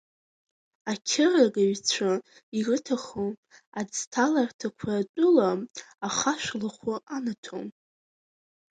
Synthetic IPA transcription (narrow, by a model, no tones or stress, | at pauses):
akʲʰɪraɡaɥt͡ɕʷʰa | irɨtʰaχoad͡ztʰalartʰakʷʰaːtʼʊlaaχaʃʷlaχʷʊanatʰo̰m